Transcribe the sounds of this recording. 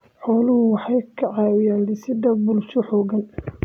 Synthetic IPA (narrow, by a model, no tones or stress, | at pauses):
ħɔːlʊhʊwɑħɑjkʰɐʕɑːwɪjaːnlɪsɪd̪ɐbʊlt͡ʃɔħɔːɣɐn